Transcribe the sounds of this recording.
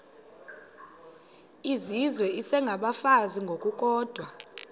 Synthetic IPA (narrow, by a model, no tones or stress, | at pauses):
izizwɛisɛŋɡʱaɓafaziŋɡʱokʼukʼɔːd̥ʱwa